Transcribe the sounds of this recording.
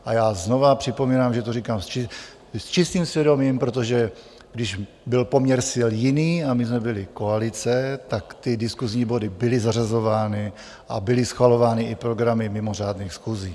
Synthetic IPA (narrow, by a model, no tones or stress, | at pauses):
ʔajaːzno̞vapr̝̥ɪpo̞miːnaːmʒɛt̪oɾrikaːmst͡ʃɪ | st͡ʃɪst̪iːmsvjɛdo̞miːmpɾo̞t̪̬oʒɛ | ɡdɪʒ | bɪlpo̞mɲɛɾsɪljɪniːamɪzmɛbɪlɪko̞alɪt͡sɛt̪akt̪ɪdɪskuzɲiːbo̞dɪbɪlɪzarazo̞vaːnɪ | ʔa̰bɪlɪsxvalo̞vaːnɪʔɪpɾo̞ɡɾamɪmɪmo̞r̝aːdniːxsxuːziː